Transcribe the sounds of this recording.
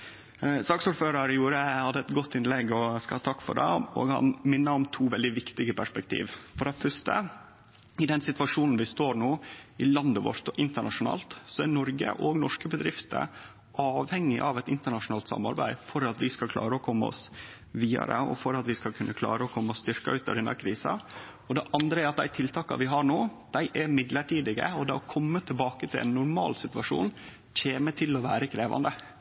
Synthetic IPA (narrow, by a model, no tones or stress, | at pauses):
sɑːksuːɖføːɾəɾəjuːɾəhɑd̪ːəɛt̪ɡɔt̪ːɪnlɛɡɔskɑɑːt̪ʰɑkːfɔ̰ɖɛ̰ɔ̰ːɡhɑ̰nmɪnːəɔmt̪ʰuːʋɛld̪ɪʋɪkt̪ɪɡəpʰæʂpɛk̚t̪ʰḭːʋfɔɾɛfœʂtə̰ | ɪd̪ɛnsɪt̪ʋɑʂuːnn̩ʋɪst̪oːɾɳoːɪlɑnd̪əʋɔ̰ɾt̪ɔʔɪnt̪əɳɑʂʊnɑ̰ːlt̪sɔæɾnɔɾɡə̰ʔɔɡnɔʂkəbəd̪ɾɪft̪ʰə̰ | ɑːʋhɛŋːɪʔɑʋɛt̪ɪnt̪əɳɑʂʊnɑːlt̪sɑ̰mːɑ̰ɾbæ̰ɪfɔɾɑt̪ʋɪskɑlkʰlɑ̰ːɾəɔkʰɔmːəɔ̰s | ʋiːɑ̰ɾə̰ɔ̰fɔɾɑt̪ʋɪskɑlkʰʉnːəkʰlɑ̰ːɾəɔkʰɔmːəɔst̪ʏɾkɑʉːt̪ɑ̰ʋd̪ɛnːɑ̰ɾkʰɾiːsɑ̰ | ɔd̪ɛʔɑnd̪ɾəɛɾɑt̪̚d̪æɪt̪ʰɪlt̪ʰɑːkɑ̰ʋɪɦɑɳoːd̪̥æɪʔɛɾmɪd̪ləʈʰiːd̪ɪɡə̰ɔd̪ɛɔkʰɔmːət̪ʰɪlbɑːkət̪ʰɪlʔɛ̰nːʊɾmɑ̰ːlsɪt̪ʉʋɑʂṵːn | c͡çʰeːmət̪ʰɪlːɔʋæːɾəkʰɾeːʋɑ̰nd̪ə